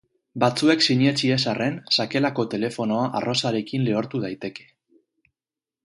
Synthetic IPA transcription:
bat͡sue̞ksiɲe̞t͡ʃie̞sare̞nsake̞lako̞t̪e̞le̞fo̞no̞aʔaro̞saɾe̞kinle̞o̞ɾt̪uð̞ajt̪e̞ke̞̥

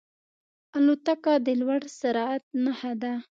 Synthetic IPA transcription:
alut̪akɑd̪əlwaɽsaɾɑat̪̚nahad̪a

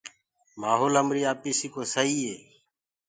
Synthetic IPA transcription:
maːɦoːləmɾiːaːpiːsiːkoːsəɦiːeː

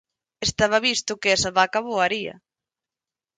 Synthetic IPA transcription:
est̪aβaβist̪ʊkeɛsaβakaβoaɾiɐ̰

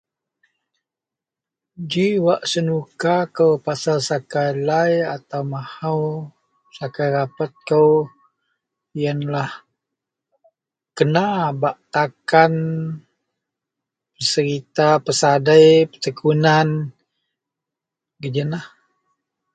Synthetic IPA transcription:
d͡ʒiwaʔsənukakəwpasalsakajlajat̪awmahaw | sakajɾapat̪̚kəw | jənlah | kənabaʔt̪akan | pəsəɾit̪apəsadajpət̪əkunan | ɡəd͡ʒənah

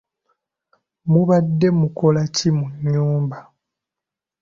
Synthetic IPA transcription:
muβadːe̞muko̞lacimuɲːuːmba

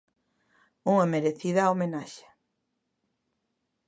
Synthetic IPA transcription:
uŋɐmeɾeθiðɐːomenaʃḁ

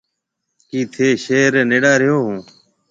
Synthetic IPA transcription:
kiːt̪ʰeːʃeːɾneːɽaːɾɪjoːɦũː

